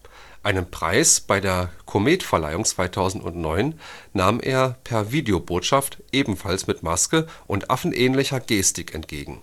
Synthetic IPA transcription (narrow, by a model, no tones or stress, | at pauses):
ʔaɪnənpʁ̥a̰ɪsb̥aɪdeːɐkʰomeːtfɛɐla̰ɪʊŋt͡sv̥aɪtʰaʊzn̩tʊ̰ntnɔʏnːaːmʔḛːɐpʰɛɐviːdeoboːtʃaftʔeːbm̩falsmɪtmaskəʔʊntʔa̰fn̩ʔɛːnlɪçɐɡeːstɪkʰɛ̰ntɡ̥ḛːɡŋ̩